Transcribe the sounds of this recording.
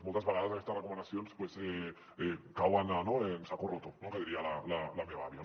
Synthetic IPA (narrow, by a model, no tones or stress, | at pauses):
molt̪azβaɣaðaseest̪arekomend̪aθjonespwese | ekawananoensakorot̪onokeðiɾialalalameβaβja